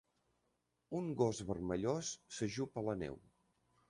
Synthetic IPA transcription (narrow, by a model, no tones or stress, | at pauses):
uŋɡɔzβərməʎosːəʒupələnɛ̰w